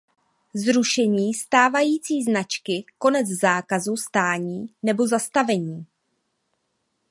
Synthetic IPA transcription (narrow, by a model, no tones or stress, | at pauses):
zɾuʃɛɲiːst̪aːvajiːt͡siːznat͡ʃkɪko̞nɛt͡szaːkazust̪aːɲiːnɛbozast̪avɛɲiː